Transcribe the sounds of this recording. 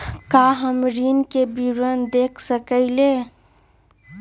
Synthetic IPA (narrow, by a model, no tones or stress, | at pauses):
kaːɦəmɾiːnkebiːɾənd̪eːkʰsəkəileː